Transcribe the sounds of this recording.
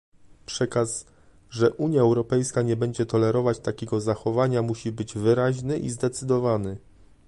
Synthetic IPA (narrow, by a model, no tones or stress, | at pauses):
pʂɛkas | ʐɛʔuɲjaɛwɾɔpɛjskaɲɛbɛɲd͡ʑɛt̪ɔlɛɾɔvat͡ɕt̪akʲɛɡɔzaxɔvaɲamuɕibɘd͡ʑvɘɾaʑnɘʔḭzd̪ɛt̪sɘd̪ɔvanɘ